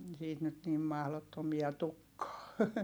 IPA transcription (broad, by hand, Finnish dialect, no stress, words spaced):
siːt nyt nim mɑhlotːomiɑ tukːɑː